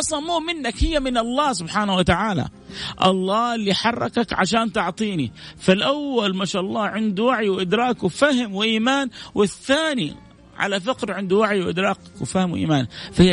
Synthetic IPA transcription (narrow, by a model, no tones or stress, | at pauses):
ɑsˤɑmuːmɪnːakhɪjːamɪnɑlˤːɑːsʊbħaːnawat̪aʕaːla̰ʔɑ̰lˤːɑːɪlːiħɑrˤːɑkakʕa̰ʃaːnt̪ɪʕt̪ˤiːnifalʔawːalmaʃaːʔɑlˤːɑːʕɪnd̪uwaʕjwɪʔɪd̪ɾɑːkwɪfahɪmwɪʔiːmaːnwɪθːaːnḭ | ʕa̰lafɪqɾʕɪnd̪uwaʕjwɪʔɪd̪ɾˤɑːqkwɪfahmwɪʔḭːmaːnfah